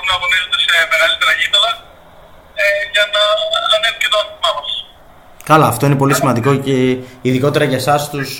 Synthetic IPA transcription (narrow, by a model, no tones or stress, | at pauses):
nɐɣonizot̪ese̞me̞ɣɐlit̪eɾɐʝitɐlɐ | ʝɐnɐːnefucet̪oɐnt̪imɐmɐs | kɐlɐːft̪o̞ine̞po̞lisimɐnd̪iko̞ceiðiko̞t̪e̞ɾɐʝɐsɐst̪us